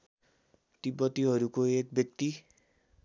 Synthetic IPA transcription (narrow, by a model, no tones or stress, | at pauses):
t̪ibʌt̪iɦʌɾukoek̚bjʌk̚t̪i